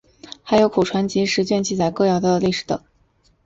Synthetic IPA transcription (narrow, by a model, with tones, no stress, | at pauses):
xa˧˥ɪjo˧˥ʊkʰo˨˩ʈ͡ʂʰwa˧˥nt͡ɕi˧˥ʂɻ̩˧˥t͡ɕɥɛ˥˧nt͡ɕi˥˩t͡sa˨˩ɪkɤ˥˧jɑ˥˩ʊd̪ə˧li˥˩ʂɻ̩˨˧˥t̪ɤ̰˨˩˦ŋ